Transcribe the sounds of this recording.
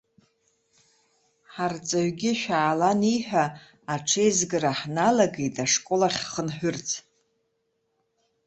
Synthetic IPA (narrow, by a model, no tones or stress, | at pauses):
ħart͡sʼaɥɡʲɪʃʷᶣaːlaniħᶣaː | ʈ͡ʂʰejzɡɨraħnalaɡejtʰaʂkʷʼolaχʲχənħʷᶣʊrt͡sʰʼ